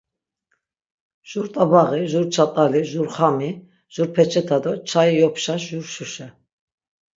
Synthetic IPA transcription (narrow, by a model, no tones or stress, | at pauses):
ʒ̥uɾt̪ʼabaʁiʒuɾt͡ʃʰat̪ʼaliʒuɾχami | ʒ̥uɾpʰɛt͡ʃʰʼɛt̪ʰad̪ɔt͡ʃʰaijɔpʰʃaʃʒuɾʃuʃɛ